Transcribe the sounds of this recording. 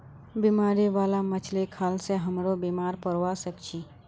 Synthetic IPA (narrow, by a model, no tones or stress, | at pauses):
biːmaːɾiʋaːlamət͡ʃʰlekʰaːlseɦəmɾobiːmaːɾpəɾwasəkt͡ʃʰiː